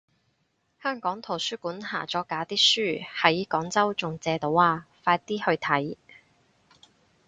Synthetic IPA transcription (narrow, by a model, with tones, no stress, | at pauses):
hœː˥ŋkɔː˨˥ŋt̪ʰo˨˩wsyː˥kuː˨˥nha̰ː˨˩t͡sɔː˨˥kaː˨˥t̪iː˥syː˥hɐ˨˥jkɔː˨˥ŋt͡sɐ˥wt͡sʊ˨ŋt͡sɛː˧t̪o˨˧waː˧faː˧t̚t̪iː˥hɵ˧ɥt̪ʰɐ˨˥j